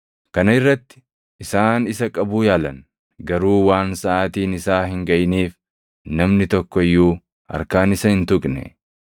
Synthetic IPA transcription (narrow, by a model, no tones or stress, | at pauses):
kɐnɐɪrːɐt̪ːɪ̥ː | saːnɪsɐkʼɐbuːjaːlɐ̰n | ɡɐɾuːwaːnsɐʔaːt̪iːnɪsaːɦɪŋɡɐjniːf | nɐmnɪt̪ɔkːɔɪjːuː | ɐ̰ɾkaːnɪsɐhɪnt̪ʊkʼnɛ̰